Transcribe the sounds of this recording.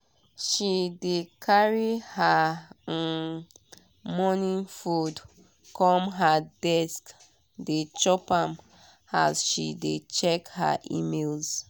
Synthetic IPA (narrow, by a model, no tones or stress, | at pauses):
ʃidekʰaɹiha | mɔnĩŋfud | kʰɔ̃mɦadɛsk | det͡ʃɔpãm | a̰zʃḭdet͡ʃɛkha̰ʔḭmelz